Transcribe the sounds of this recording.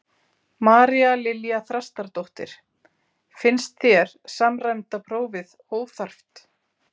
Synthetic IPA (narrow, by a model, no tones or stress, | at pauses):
maːɾialɪljaθɾast̪aɾt̪owht̪ɪ̰ɾ̥ | fɪnst̪θjɛɾ̥samrajmt̪apʰɾoːwvɪðhoːwvθar̥ft̪